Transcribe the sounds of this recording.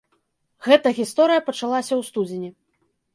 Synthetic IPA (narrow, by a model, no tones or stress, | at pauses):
ɣɛt̪ɐɣʲist̪ɔɾɨjɐpɐt͡ʂalˠasʲɐwst̪ud͡zʲinʲi